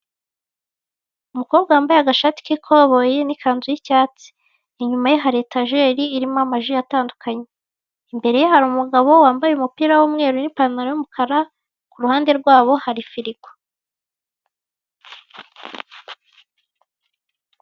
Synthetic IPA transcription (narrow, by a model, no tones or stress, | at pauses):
umuko̞ːbɡawaːmbajeaɡaʃati̥kikʰoβojenikʰaːnzujicaːt͡si̥ː | ɲumajiɦaɾetaʒe̞ːɾiːɾimamaʒijataːndukʰaɲe | imbe̞ɾe̞jehaɾumuɡaβo̞waːmbajeumupiːɾawuːmŋe̞ːɾunipaɾnaɾojumukʰaɾa | kuɾuhaːnde̞ɾɡwaːβo̞haɾifiɾiɡo̥